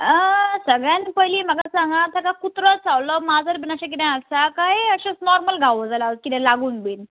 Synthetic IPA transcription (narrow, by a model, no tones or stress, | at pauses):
əsəɡɭjãnpəjliməɡasãŋɡãt̪ʰakakut̪ɾət͡sawlɔmad͡zəɾbinaɕək̬id̪ãəsakajəɕasnɔɾməlɡʱaʋəd͡zalaəskit̪ɛ̃laɡuːnbin